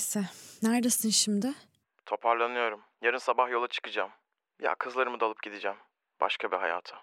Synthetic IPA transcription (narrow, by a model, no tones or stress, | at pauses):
sɛnæɾd̪asɯnʃimd̪ɪ | t̪ʰo̞pʰaɾlˠanɯjo̞ɾumjaɾɯnsabahjo̞lˠat͡ʃʰɯ̥kɯd͡ʒaːm | ja̰kʰɯzlˠaɾɯmɯd̪alˠɯp̚ɟid̪id͡ʒæm | b̥a̰ʃkʰabiɦaja̰ːt̪ʰɯ̥